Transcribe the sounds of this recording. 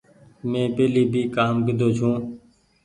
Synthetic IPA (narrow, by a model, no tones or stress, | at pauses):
mẽːpeːliːbʱiːkaːmɡɪd̪ʱoːt͡ʃʰũː